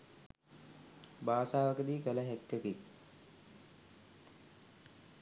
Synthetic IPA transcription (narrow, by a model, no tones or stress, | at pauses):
baːsaːʋəkəd̪iːkələɦɛkːəkik